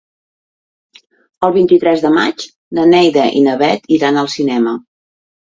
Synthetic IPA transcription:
əlˠβint̪it̪ɾɛzðəma̰t͡ʃ | nənɛjðəʔḭnəβɛt̪iɾanəlˠsinɛmə

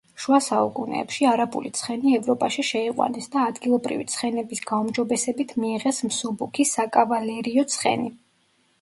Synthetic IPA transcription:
ʃuasaukʼunɛ̰ːpʃiaɾabṵlḭt̪sʰχɛniɛvɾɔpʼaʃiʃɛiqʼwa̰nɛsd̪aːd̪ɡilˠɔbɾḭvit̪sʰχɛnɛbisɡ̥aumd͡ʒɔbɛsɛbit̪ʰmiːʁɛsmsɔbukʰisakʼavalɛɾiɔt̪sʰχɛ̰ni

